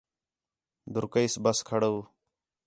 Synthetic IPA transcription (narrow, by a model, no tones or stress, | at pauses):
d̪ʱʊɾkəisbəskʰəɽəː